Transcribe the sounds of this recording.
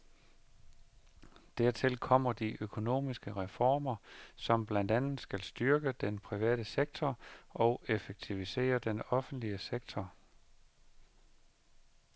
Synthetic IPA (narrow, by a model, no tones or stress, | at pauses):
d̥æɐt͡sʰelkʰɒ̽m̰ɐd̥iʔøkʰo̝no̝̰ːmisɡ̥əʁɛfɒ̰ːmɐsɒ̽mb̥lænd̥ænð̩ˠsɡ̥ælsd̥yɐɡ̥əd̥enpʰʁiʋɛ̰ːɾ̥əseɡ̥̚t͡sʰɒɒ̽ʊe̝feɡ̥̚t͡sʰiʋise̝̰ːɐd̥enɒ̽fn̩d̥liəseɡ̥t͡sʰɒ